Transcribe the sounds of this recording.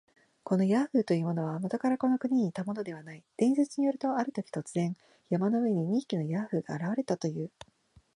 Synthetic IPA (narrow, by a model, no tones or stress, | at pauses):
ko̞no̞jaɸɯ̟ːt̪o̞jɯ̟ːmo̞no̞β̞amot̪o̞kaɾako̞no̞kɯ̟ɲ̟iɲ̟iːt̪amo̞no̞d̪e̞β̞anaid̪̥ẽ̞ɰ̃set͡sɨɲ̟ijo̞ɾɯ̟t̪o̞aɾɯ̟t̪o̞kʲi̥t̪o̞t͡sɨzẽ̞ŋ | jamanoɯeɲ̟iɲ̟ikʲino̞jaɸɯ̟ːɡ̥a̰ːɾaβaɾe̞t̪at̪o̞jɯ̟ː